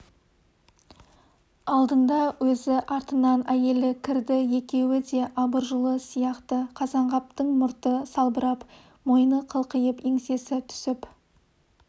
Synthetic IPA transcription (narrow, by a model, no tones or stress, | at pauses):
ɑlˠd̪ənd̪ɑwɵzɪʔɑɾt̪ənɑnæje̞lɪkʲʰɪɾd̪ɪje̞kʲe̞wɪd̪e̞ʔɑbəɾʒəlˠəsijɑqt̪əqʰɑzɑɴʁɑp̚t̪əɴmʊɾt̪əsɑlˠbəɾɑp | mo̞jnəqʰəlˠqəjəpeŋse̞sɪt̪ʰʏ̥sɪp